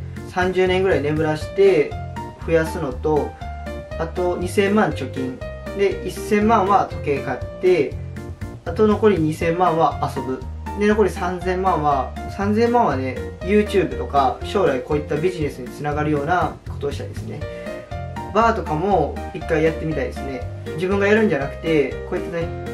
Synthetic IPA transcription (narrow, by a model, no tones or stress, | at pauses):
sãɲ̟d͡ʑɨːneŋɡɯ̟ɾaine̞bɯ̟ɾaɕi̥t̪e̞ɸɯ̟jasɨno̞t̪o̞ | at̪o̞ɲ̟isẽ̞mːãɲ̟t͡ɕo̞kʲĩɴd̪e̞ʔisːẽ̞mːãɰ̃βat̪o̞̥ke̞ːkat̪ːe̞ | at̪o̞no̞ko̞ɾʲiɲ̟isẽ̞mːãɰ̃βaːso̞bɯ̟d̪e̞no̞ko̞ɾʲisãnd͡zẽ̞mːãɰ̃βasãnd͡zẽ̞mːãɰ̃βane̞jɯ̟ːt͡ɕɨːbɯ̟t̪o̞kaɕo̞ːɾaiko̞ːit̪ːabʲiʑine̞sɨɲ̟it͡sɨnaɡaɾɯ̟jo̞ːna | ko̞t̪o̞ɕi̥t̪a̰id̪esɨne̞̰ | baːt̪o̞kamo̞ikːaijat̪ːe̞mʲit̪aḭd̪e̞sɨne̞ | d͡ʑibɯ̟̃ŋɡajaɾɯ̟̃ɲ̟d͡ʑanakɯ̟̥t̪e̞ko̞it̪ːane